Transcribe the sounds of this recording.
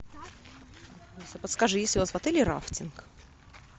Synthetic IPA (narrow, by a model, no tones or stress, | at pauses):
osʲɐpət̪skaʐɨjesʲlʲʊvasvɐt̪ɛlʲɪɾa̰ftʲɪnk